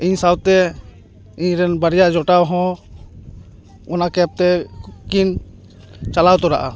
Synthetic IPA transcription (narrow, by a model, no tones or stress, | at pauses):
iɲsawt̪ɛ | iɲɾɛnbaɾijad͡ʒɔʈawɦɔ̃ | ɔnakɛp̚t̪ɛkin | t͡ʃalawt̪ɔɾaʔa